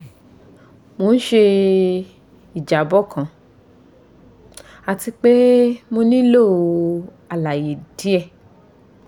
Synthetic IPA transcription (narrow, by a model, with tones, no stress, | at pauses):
mo˧ñ̩˦ʃe˧ | i˨d͡ʒa˨bɔ˦kʰã˨ | a˧˨ti˧k͡pe˦mo˧nĩ˦lo˦˨o˧ | a˨la˨je˨di˨˦ɛ˦˧˨